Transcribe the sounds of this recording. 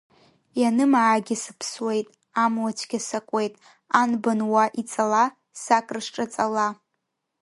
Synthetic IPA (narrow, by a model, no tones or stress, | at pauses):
janɨmʕaɡʲɪsɨ̥pʰswe̞jtʼ | amwat͡ʃʷʰɡʲasakʷʼe̞jtʼ | anbanwaʔit͡sʼala | sakʼrɨʂʈ͡ʂʼat͡sʼala